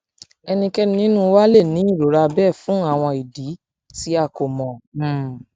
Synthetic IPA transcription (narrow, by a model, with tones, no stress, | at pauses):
ɛ˧nĩ˧kɛ˦n˦nĩ˦nũ˦˧wa˦le˦˨nĩ˨˦i˦˨ɾo˨˦ɾa˧bɛ˦˨fũ˨˦a˦˨w̃ɔ̃˧i˨di˨˦ | ti˦a˦˧˨ko˨mɔ̃˨